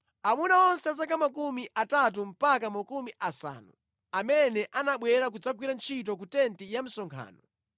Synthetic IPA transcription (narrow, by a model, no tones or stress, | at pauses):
amunaɔnsɛas̬akamak̬umiʔatat̬um̩pakamakumiʔasa̰ːnu | amɛnɛʔanaɓwɛɾak̬ud͡zaɡwiɾant͡ʃʰit̬ɔk̬utɛntijam̩sɔŋkʰa̰ːnɔ